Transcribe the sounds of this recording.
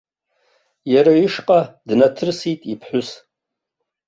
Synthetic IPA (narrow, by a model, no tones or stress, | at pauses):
jaɾaɥiʂqʼadnatʰɨrsitʼipʰħʷʊs